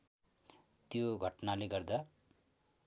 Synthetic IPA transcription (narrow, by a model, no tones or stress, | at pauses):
t̪joɡʱʌʈnaleɡʌrd̪a